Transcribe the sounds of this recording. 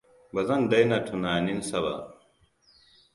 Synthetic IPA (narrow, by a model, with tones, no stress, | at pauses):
bɐ˨zɐ˦ndɐ˦jna˨tʰu˨naː˨ni˦nsɐ˦βa̰˨